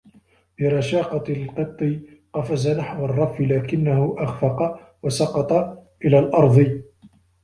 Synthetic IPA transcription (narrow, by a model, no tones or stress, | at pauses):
bɪɾˤɑʃɑːqɑt̪lqɨt̪ˤːɨ | qɑfazanaħwɑrˤːɑfːɪlaːkɪnːahʊʔaxfɑqɑ | wasɑqɑt̪ˤɑʔɪlaːlʔɑɾˤd̪ˤɨ